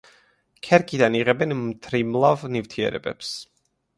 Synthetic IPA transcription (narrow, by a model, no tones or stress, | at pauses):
kʰɛɾkʼid̪aniʁɛbɛnmt̪ʰɾimlˠavnivt̪ʰiɛ̰ɾɛ̰bɛ̰ps